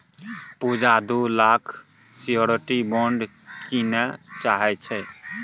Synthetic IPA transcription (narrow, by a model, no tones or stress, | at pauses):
pud͡ʒad̪ulakʰ | sioɾɔʈibɔɳɖ | kinɛt͡ʃaɦɛt͡ʃʰɛ